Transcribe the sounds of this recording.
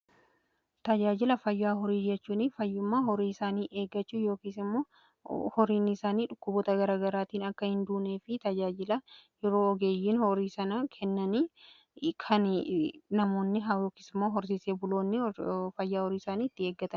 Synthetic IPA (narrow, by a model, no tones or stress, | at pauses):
t̪ɐd͡ʒaːd͡ʒɪlɐfɐjːaːɦɔɾiːd͡ʒɛt͡ʃːuːnɪfɐjːʊmːaːɦɔɾiːɪsaːniːʔe̞ːɡːɐt͡ʃːuːjo̞ːkiːsɪmːoː | hɔɾiːnːɪɪsaːniːᶑʊkːʊbɔːt̪ɐɡɐɾaːɡɐɾaːt̪iːnɐkːɐhɪnd̪uːne̞ːfɪt̪ɐd͡ʒaːd͡ʒɪlɐjɛɾo̞ːɔɡe̞ːjːiːnhɔɾiːsɐnɐkʰɛnːɐniː | kʰɐnnɐmo̞ːnːɪɦɐjoːkiːsɪmːoːɦɔɾsɪːseːbʊlo̞ːnːɪfɐjːaːhɔɾiːɪsaːniːɪt̪ːɪe̞ːɡːɐt̪ɐn